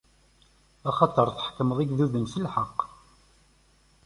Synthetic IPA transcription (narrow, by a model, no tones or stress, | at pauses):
ɑχɑt̪ˤəɾˤθə̥ħkːəməðˤiɡðuðənθilħɑqː